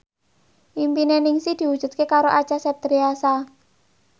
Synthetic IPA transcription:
ʔimpinenɪŋsid̪̥i̤wud̥ʒ̥ṳt̪̚kekaɾoʔḁt͡ʃasɛp̚t̪ɾiasa

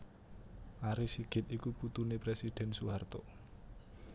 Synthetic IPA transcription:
ʔaɾisiɡ̥ɪ̤t̪̚ikuput̪unepɾɛsid̪̥ɛ̤nsuɦart̪o̰

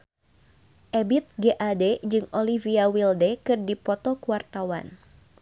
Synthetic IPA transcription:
ʔɛbit̪̚ɡeʔadɛd͡ʒɨŋoliviawildɛkɨrdipɔt̪ɔkuart̪awa̰n

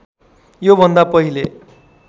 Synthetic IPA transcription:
jobʱʌnd̪apʌɦile

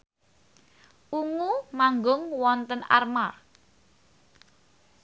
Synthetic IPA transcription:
ʔuŋumaŋɡʊŋwɔnt̪əna̰rma

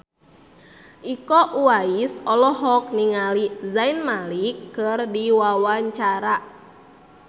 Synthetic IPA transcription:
ʔikɔʔuaisɔlɔɦɔk̚niŋalizainmalikːɨrdiwawaɲt͡ʃaɾa

